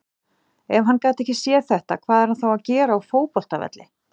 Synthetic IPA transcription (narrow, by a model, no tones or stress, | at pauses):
ɛvɦanːkaːt̪ɛhcɪsjɛːθɛht̪akʰvaːðɛɾ̥hanθawaðcɛːɾaufoːwpɔl̥t̪avɛ̰t̪lɪ